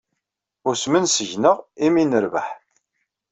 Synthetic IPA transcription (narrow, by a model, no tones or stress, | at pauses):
ʊɾsmənsəʝnəʁiminəɾvə̰ħ